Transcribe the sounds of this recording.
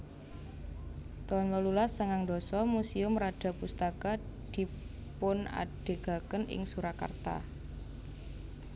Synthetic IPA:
t̪ɔnlɔlulasəŋaŋd̪ɔ̤sɔmusiʊmrad̥a̤pust̪aka | d̪̥i̤ | pʊna̰ɖ̥e̤ɡ̥a̤kənɪ̰ŋsuɾaka̰rt̪a̰

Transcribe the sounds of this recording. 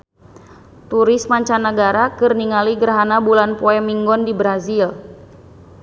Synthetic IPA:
t̪uɾɪsmaɲt͡ʃanːəɡaɾakɨrniŋaliɡərɦanabulanpoɛmiŋɡɔndibɾazil

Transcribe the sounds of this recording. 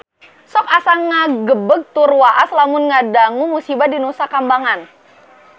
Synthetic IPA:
sɔk̚asaŋaɡəbəɡ̚t̪urwaʔaslamʊnŋadaŋumusibadinusakambaŋan

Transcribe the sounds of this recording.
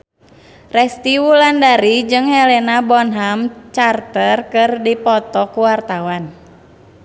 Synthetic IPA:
rɛst̪iwulandaɾid͡ʒɨŋhɛlɛnabɔnɦamt͡ʃart̪ərkɨrdipɔt̪ɔkuwart̪awan

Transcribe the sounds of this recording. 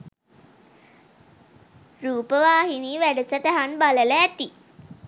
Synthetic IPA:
ɾuːpəʋaːɦiniːʋæɖəsət̪aɦanbalələæt̪i

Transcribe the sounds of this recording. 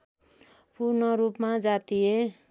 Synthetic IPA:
purnʌɾupmad͡zat̪ie

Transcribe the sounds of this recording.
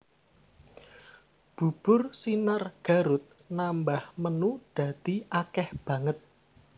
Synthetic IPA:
b̥ṳb̥ʊrsinarɡ̥a̤ɾʊt̪̚nambahmənud̪̥ä̤d̪̥i̤ʔakɛhb̥ä̤ŋət̪̚

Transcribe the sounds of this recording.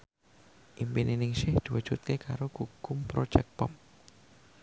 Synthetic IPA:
ʔimpininɪŋsɪhd̪̥iwud̥ʒ̥ut̪̚kekaɾoɡuɡʊmpɾo̥ʒɛk̚pɔp̚

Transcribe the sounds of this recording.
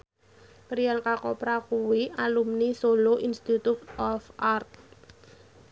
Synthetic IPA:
kɾijankakɔpɾakuwialumnisoloʔinst̪it̪ut̪ɔfʔart̪̚

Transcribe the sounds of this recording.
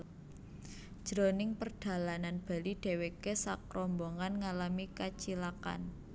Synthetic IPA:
ʒ̥ɾonɪŋpərɖ̥a̤lananb̥a̤liɖ̥e̤wekesakɾɔmbɔŋanŋalamikat͡ʃilaka̰n

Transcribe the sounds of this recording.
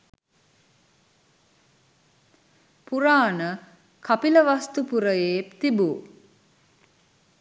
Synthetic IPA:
puɾaːnə | kapiləʋast̪upuɾəjeːt̪ibu

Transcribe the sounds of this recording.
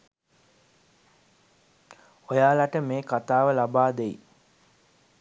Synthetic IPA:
ojaːlaʈəmeːkat̪aːʋəlabaːd̪eḭ

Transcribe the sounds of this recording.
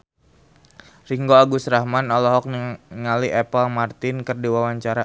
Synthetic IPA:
riŋɡoaɡusɾahmanɔlɔɦɔk̚ŋaliɛpəlmart̪ɪnkərdiwawaɲt͡ʃaɾa

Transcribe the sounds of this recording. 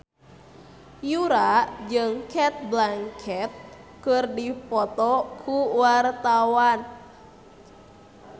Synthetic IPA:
juɾad͡ʒɨŋkɛt̪̚blaŋkʰɛt̪̚ | kɨrdipɔt̪ɔkʰuwart̪awan

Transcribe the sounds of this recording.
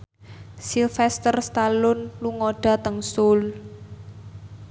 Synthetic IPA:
silfɛst̪ərst̪alʊnluŋoɖ̥a̤t̪əŋsʊl

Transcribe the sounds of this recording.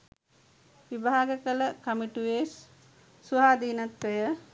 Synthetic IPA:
ʋibaːɡəkələkɐmiʈuʋeːsː | uaːd̪iːnat̪ʋəjə

